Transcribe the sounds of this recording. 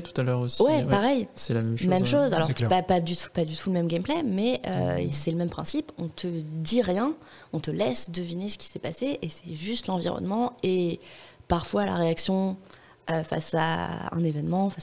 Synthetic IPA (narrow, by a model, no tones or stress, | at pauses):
t̪u̥t̪alœʁoswɛpaʁɛjsɛlamɛmmɛmʃozalɔʁɛapad̪yt̪ʰu̥pad̪yt̪ʰuləmɛmɡʲɛmplɛmɛø̰sɛləmɛmpχɛ̃sipɔ̃t̪ʰəd̪iʁjɛ̃ | ɔ̃t̪əlɛsd̪əvinesə̥kʲi̥sɛpaseʔesɛʒyst̪lɑ̃vḭʁɔ̰nmɑ̃e | paʁfwala̰ʁeaksjɔ̃ | øfa̰sa̰ɛ̰̃nevɛnmɑ̃fas